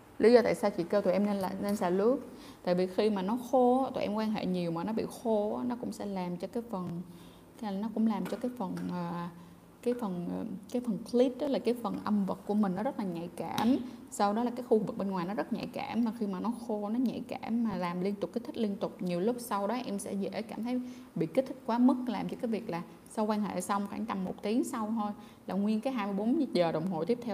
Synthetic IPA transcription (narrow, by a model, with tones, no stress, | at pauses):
li˨˦zɔ˧t̪a̰ː˧˨jsa˧wt͡ɕḭ˧˨kə˧t̪ːʔne˧na˨˩ne˧nsa̰ː˧˩lu˦˥ək̚ | t̪a̰ː˧˨jvi˨˩xi˧maː˨˩nɔ˨˦xo˧˦t̪o̰˨ʔɛ̰˧mkwaː˧nɦḛ˧˨ɲi˨˩əwmaː˨˩nɔ˨˦ɓḭ˧˨xo˧aː˨˦nɔ˨˦kʊ̰˧˥ŋ͡msɛ̰˧˥laː˨˩mt͡ɕɔ˧kaː˨˦jfə˨˩n˨ | nɔ˨˦kʊ̰˧˥ŋ͡mlaː˨˩mt͡ɕɔ˧kaː˨˦jfə˨˩nʔəː˨˩ | kaː˨˦jfə˨˩nʔkaː˨˦jfə˨˩nkʰli˦˥t̚ɗlaː˨˩kaː˨˦jfə˨˩nʔə˧mvə˨˩t̚ku˧˩əmï˨˩ŋ̟nɔ˨˦zə˦˥t̚laː˨˩ɲa̰˧˨jkaː˧˩msa˧wɗɔ˨˦laː˨˩kaː˨˦jxu˧vɨ˨˩k̚ɓe˧nŋwaː˨˩jnɔ˨˦zə˦˥t̚ɲa̰˧˨jkaː˧˩mvaː˨˩xi˧maː˨˩nɔ˨˦xo˧nɔ˨˦ɲa̰˧˨jkaː˧˩mːaː˨˩laː˨˩mli˧ənt̪ʊ˨˩k͡p̚kːi˦˥t̪ʰi̟˦˥li˧ənt̪ʊ˨˩k͡p̚ɲi˨˩əwlʊ˦˥k͡p̚sa˧wɗɔ˨˦ʔɛ˧msɛ̰˧˥zḛ˧˩˥kaː˧˩mt̪ʰə˨˦j | ɓḭ˧˨kt̟̚t̪ʰi˦˥k̚kwaː˨˦mɨ˦˥k̚laː˨˩mt͡ɕɔ˧kaː˨˦jvi˨˩ək̚laː˨˩ | sa˧wkwaː˧nhḛ˧˨sa˧wŋ͡mxaː˧˩ŋt͡ɕa˧mːo˨˩t̚t̪i˨˦əŋsa˧wt̪ʰo˧j | laː˨˩ŋwi˧ənkaː˨˦jɦaː˧jmɨ˧jɓo˨˦n̚˧˥zəː˨˩ɗə˨˩wŋ͡mɦo̰˨jt̪i˦˥əp̚t̪ʰw